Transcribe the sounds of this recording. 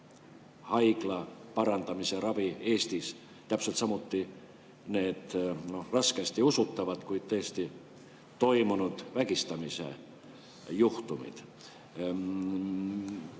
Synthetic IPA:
hɑjklɑpɑɾɑnt̪ɑmiserɑvieːst̪is | t̪æpselt̪sɑmut̪ːi | ne̞ːt̪norɑskest̪iusut̪ːɑvɑt̪kuijt̪t̪øːst̪i | t̪o̞imunut̪væɡist̪ɑmisḛ | juht̪umḭt̪

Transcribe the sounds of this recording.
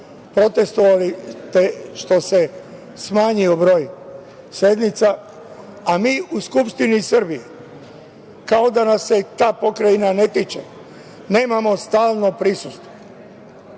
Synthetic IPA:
pɾo̞t̪e̞st̪oʋalit̪eʃt̪o̞se̞ | smaːɲio̞bɾo̞ːj | sed̪nit̪sa | amiːuskupʃt̪inisərbije | kao̞d̪anasːe̞t̪aːpo̞kɾajinane̞t̪it͡ʃḛ | ne̞ːmamo̞st̪aːlˠno̞pɾisust̪ʋo

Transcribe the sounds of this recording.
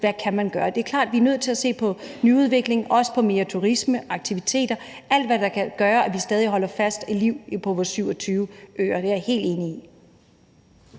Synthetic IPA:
ʋækʰæmænɡ̥ɶːɐd̥e̝ɐkʰlɑ̰ːd̥ʋiænøð̞̰ˠt͡sʰe̝læse̝̰ːpʰɒ̽nyuð̞ˠʋe̝ɡ̥le̝ŋʔɒ̽sə̥pʰɒ̽me̝ːɐt͡sʰuʁisməʔɑ̈ɡ̥̚t͡sʰiʋit͡sʰe̝̰ːd̥ɐ | ʔæl̰d̥ʋæd̥ɑ̈kʰæɡ̥ɶːɐʔæʋisd̥ɛːð̞ˠiɦɒ̽l̰ɐfæsd̥æliʊ̰pʰɒ̽ʋɒːsyʊɒ̽t͡sʰyːʊəø̰ːɐd̥e̝æɐhe̝̰ːld̥e̝ːnii

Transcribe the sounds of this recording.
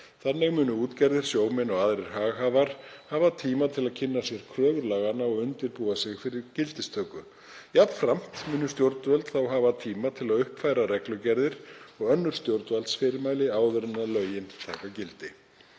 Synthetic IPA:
θanːɪɣmʏːnʏuːt̪cɛɾðɪɾ̥sjoːwmɛnɔɣaðɾɪɾ̥ɦaːɣɦaːvaɾ̥haːvat̪ʰiːmat̪ʰɪlaðcʰɪnːasjɛɾ̥kʰɾœːɣʏɾlaːɣanaɔɣʏnt̪ɪɾpuːasɪɣfɪɾɪɾcɪlt̪ɪst̪ʰœːkʏ | japfɾam̥t̪mʏːnʏst̪jowɾt̪vœlt̪θawɦavat̪ʰiːmat̪ʰɪlaðʏhpfajɾaɾɛklʏcɛɾðɪɾ̥ɔɣœnːʏɾ̥st̪jowɾt̪valt̪sfɪːɾɪɾmaːjlɪaːwðʏɾɪnːalœɥjɪnt̪ʰaːkacɪlt̪ɪ

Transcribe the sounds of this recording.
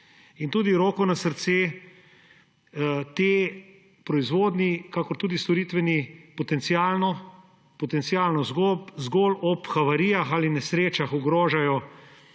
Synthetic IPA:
int̪uːd̪iɾoːkɔnasəɾt̪seː | t̪eː | pɾɔizʋoːd̪nikakɔɾt̪uːd̪ist̪ɔɾiːt̪ʋɛnipɔt̪ɛnt̪sijaːlnɔ | pɔt̪ɛnt̪sijaːlnɔzɡopzɡolʔɔpxaʋaɾiːjaxaːlinɛsɾeːt͡ʃaxɔɡɾoːʒajɔ

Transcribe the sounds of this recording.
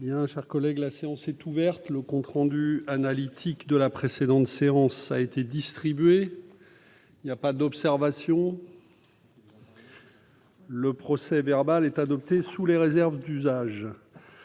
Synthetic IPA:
bjɛ̃ʃɛʁkɔlɛɡlaseɑ̃sɛt̪uvɛʁt̪ləkɔ̃t̪χɑ̃d̪yanalit̪ʰikd̪əlapχesed̪ɑ̃t̪seɑ̃saet̪ed̪ist̪χibɥe | ilnjapad̪ɔpsɛʁvasjɔ̃ | ləpχɔsɛvɛʁbalɛt̪ad̪ɔp̚t̪esuleʁezɛʁvd̪yzaʒ

